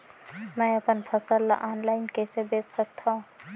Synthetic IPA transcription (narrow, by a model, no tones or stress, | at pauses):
mɛ̃əpənpʰəsəlːa̰ʔaːnlaːɪnkɛːsebeːssək̚t̪ʰaũ